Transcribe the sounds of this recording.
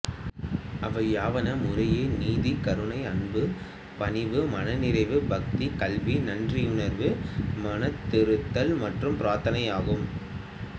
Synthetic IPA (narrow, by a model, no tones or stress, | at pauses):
ɐʋɐjaːʋɐnɐmʊrɐjeːniːðikɐɾɯɳɐɪɐnbɯ | pɐnɪʋɯmɐnɐnɪɾɐɪʋɯbɐk̚t̪ikɐlʋinɐndriʊnɐɾʋɯmɐnɐt̪ːɪɾɯt̪ːɐlmɐʈrɯmpɪɾaːɾt̪ɐnɐɪaːɣɯm